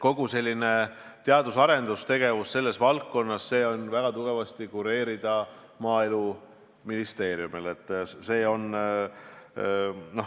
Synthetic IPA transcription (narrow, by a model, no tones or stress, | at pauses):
ko̞ɡ̥use̞lʲːine̞ | t̪eɑd̪usɑɾe̞nd̪ust̪e̞ɡ̥e̞vusse̞lːe̞svɑlkːo̞nːɑsːe̞ːo̞nvæɡ̥ɑt̪uɡ̥e̞vɑst̪ikuɾe̞ːɾid̪̥ɑ | mɑːelu | minist̪e̞ːɾjumile̞t̪ːˑse̞ːo̞n | no̞